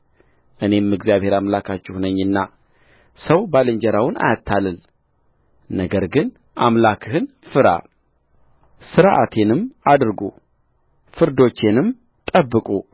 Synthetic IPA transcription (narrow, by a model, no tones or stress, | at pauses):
ʔɨne̞mːɨɡzijaβhe̞ɾamlakʰat͡ʃːɪhunəɲːɨnːa | səwbalɨɲd͡ʒəɾawʊna̰jat̪ʰːalɨl | nəɡəɾɡɨn | ʔamlakʰɨhɨn | fɨɾa̰ | sɨɾʔa̰t̪ʰenɨmad̪ɨɾɡṵ | fɨɾd̪o̞t͡ʃːenɨm | t̪ʼəbːɨkʼu